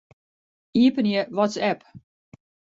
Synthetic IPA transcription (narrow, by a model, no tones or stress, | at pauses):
iəpənjəʋɔtsɛp